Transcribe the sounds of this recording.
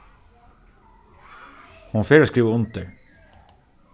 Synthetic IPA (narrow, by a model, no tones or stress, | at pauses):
hʊnfeːɾoːskɾiːʋəʊnt̪əɾ